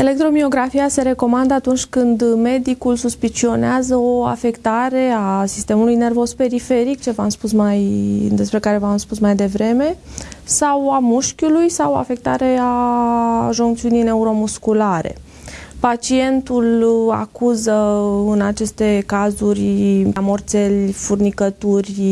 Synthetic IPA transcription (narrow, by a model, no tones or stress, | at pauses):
e̞lek̚t̪ɾo̞mio̞ɡɾafiase̞ɾe̞ko̞mand̪əat̪unt͡ʃʲkɨnd̪me̞d̪ikulsuspit͡ʃio̞neazəo̞a̰fe̞kt̪aɾe̞asist̪e̞mulujne̞rvo̞zpe̞ɾife̞ɾik̚t͡ʃe̞vamspusmajd̪e̞spɾe̞kaɾe̞vamspusmajd̪e̞vɾe̞me̞sawamuʃkʲulujsawo̞a̰fek̚t̪a̰ɾe̞a | ʒuŋkt̪siunijne̞uɾo̞muskulaɾe̞̰ | pat͡ʃie̞nt̪ula̰kuzəɨnat͡ʃe̞st̪e̞kazurʲamo̞rt̪se̞lʲfurnikət̪urʲ